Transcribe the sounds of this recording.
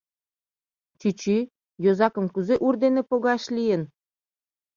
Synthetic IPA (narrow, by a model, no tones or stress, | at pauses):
t͡ɕyt͡ɕi | jozɑkə̆mkuzeʔurd̪enepoɣɑʃlʲijen